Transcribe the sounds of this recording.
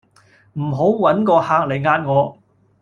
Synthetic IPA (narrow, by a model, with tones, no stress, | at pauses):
m̩˨˩ɦo˨˥wwɐ˨˥nkɔː˧haː˧k̚le˨˩jŋaː˧t̚ŋɔː˨˧